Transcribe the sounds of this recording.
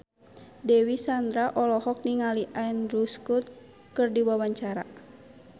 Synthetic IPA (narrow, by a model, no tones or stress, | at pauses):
dɛwisand̪ɾaʔɔlɔhɔk̚niŋaliʔaɛnɾuskut̪̚ | kɨrdiwawaɲt͡ʃaɾa̰